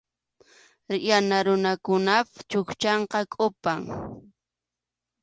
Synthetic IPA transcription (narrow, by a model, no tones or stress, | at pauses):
janaɾʊnakʊnapt͡ʃʊkt͡ʃɑɴqɑkʼʊpaŋ